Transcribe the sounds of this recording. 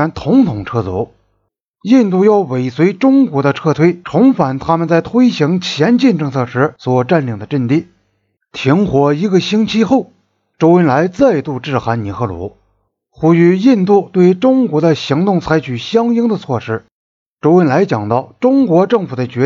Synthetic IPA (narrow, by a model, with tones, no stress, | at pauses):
a˧˥nt̪ʰʊ˧˥ŋt̪ʰʊ˨˩ŋʈ͡ʂʰɤ˥˩t͡sɔ̰˧˥ | i˥˧nt̪u˥˧jɑ˥˩ʊwe˨˩ɪswe˧˥ɪʈ͡ʂʊ˥ŋkwɔ˧˥d̪ə˧ʈ͡ʂʰɤ˥˧t̪ʰwe˥ɪʈ͡ʂʰʊ˧˥ŋfa˨˩nt̪ʰa˥mə˨nt͡sa˥˩ɪt̪ʰwe˥ɪɕi˧˥ŋt͡ɕʰjɛ˧˥nt͡ɕi˥˧nʈ͡ʂɤ˥˧ŋt͡sʰɤ˥˩ʂɻ̩˧˥swɔ˨˩ʈ͡ʂa˥˩nli˧˨˩ŋd̪ə˦ʈ͡ʂə˥˧nt̪i˥˩ | t̪ʰi˧˥ŋxwɔ˧˩i˧˥ɡə˧ɕi˥ŋt͡ɕʰi˥xo˥˩ʊ | ʈ͡ʂo˥ʊwə˥nla˧˥ɪt͡sa˥˧ɪt̪u˥˧ʈ͡ʂɻ̩˥˩xa˧˥nni˨˩xʰɤ˥˩lwɔ̰˧˥ | xu˥y˧˥ji˥˧nt̪u˥˩t̪we˥˩ɪʈ͡ʂʊ˥ŋkwɔ˧˥d̪ə˧ɕi˧˥ŋt̪ʊ˥˩ŋt͡sʰa˧˥ɪt͡ɕʰy˨˩ɕjɑ˥ŋi˥ŋd̪ə˧t͡sʰwɔ˥˩ʂɻ̩˥ | ʈ͡ʂo˥ʊə˥nla˧˥ɪt͡ɕjɑ˨˩ŋt̪ɑ˥˩ʊʈ͡ʂʊ˥ŋkwɔ˧˥ʈ͡ʂɤ˥˩ŋfu˨˩d̪ə˦t͡ɕɥɛ˧˥